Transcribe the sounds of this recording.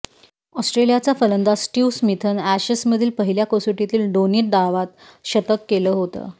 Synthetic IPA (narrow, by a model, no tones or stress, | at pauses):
ɔsʈɾelijat͡safələnd̪asʈiːʋsmit̪ʰənæɕəsməd̪ʱiːlpəɦiljakosuʈit̪iːlɖoniʈ̚ɖ̪aʋat̪ | ɕət̪əkːeləːɦot̪ə̰ː